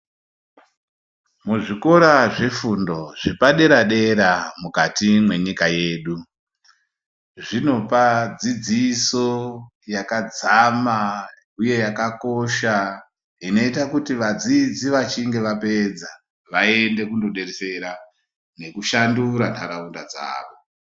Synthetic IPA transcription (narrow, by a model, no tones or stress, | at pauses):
muʐiko̞ɾaʐe̞fundo̞ʐipaɗe̞ɾaɗe̞ɾamukatimwe̞ɲikaje̞ːɗu | ʐino̞pad͡zid͡ziso | jakad͡zama | uje̞jakako̞ʃa | ino̞itakutiʋad͡zid͡ziʋat͡ʃiŋɡe̞ʋape̞d͡za | ʋae̞nde̞kundo̞ɗe̞rese̞ɾa | ne̞kuʃanduɾantaɾaundad͡za̰ːʋo̞